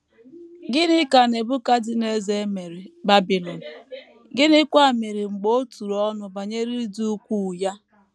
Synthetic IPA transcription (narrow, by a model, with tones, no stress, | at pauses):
ɡɪ˦nɪ˦ka˨ne˨bʊ˦ka˦dɪ˦ne˦ze˦me˨ɾe˨ba˦bi˨lɔ˨n̩˨ | ɡɪ˦nɪ˦kʷa˦˨me˨ɾi˨ŋ͡m̩˨ɡ͡bo˦tu˨ɾɔ˦nʊ˨ba˨ɲe˦ɾi˦i˦du˦u˦kʷu˦˨ja˦